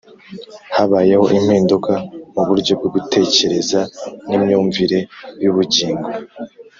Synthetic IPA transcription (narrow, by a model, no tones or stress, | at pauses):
haβaːje̞ho̞ʔim̥hiːndukamuβuɾɟo̞b̚ɡoɡutʰe̞ːce̞ɾe̞zanimɲuːɱviɾe̞juβuɟiːŋɡuɾ